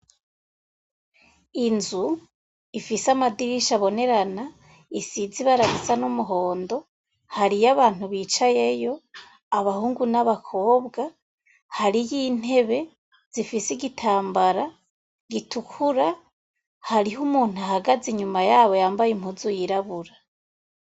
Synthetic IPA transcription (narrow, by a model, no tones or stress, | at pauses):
inzu | ifisamadiɾiʃaβo̞ne̞ɾana | isiziβaɾaɡisanumuɦo̞ːndo̞ | haɾijaβaːnhuβiːt͡ʃajejo̞ | aβahuːŋɡunaβakʰo̞ːbɡa | haɾijiːn̥e̞βe̞ | z̥ifisiɡitʰaːmbaɾa | ɡitʰukʰuɾa | haɾiɦumuːn̥uahaɡaziɲumajaːβo̞jaːmbajim̥huzujiɾaβuɾa